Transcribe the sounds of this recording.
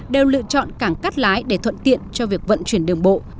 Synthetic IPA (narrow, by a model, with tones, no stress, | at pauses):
ɗe˨˩wlɨ̰˧˨t͡ɕɔ̰˧˨nkaː˧˩ŋka˦˥t̚laː˨˦jɗe˧˩t̪ʰwə̰˧˨nt̪ḭ˧˨ənt͡ɕɔ˧vi˨˩ək̚və̰˧˨nt͡ɕwi˧˩ənɗɨ˨˩əŋɓo̰˧˨